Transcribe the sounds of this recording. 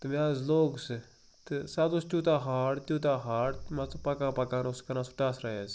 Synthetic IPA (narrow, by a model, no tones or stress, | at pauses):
t̪ɨmaːzloːɡsɨ | t̪ɨsat̪ust̪ʲuːt̪aːɦaːɽt̪ʲuːt̪̬aːɦaːɽt̪mɐt͡spɐkaːpɐkaːnuskɐnasu̥ʈaːsɾajaz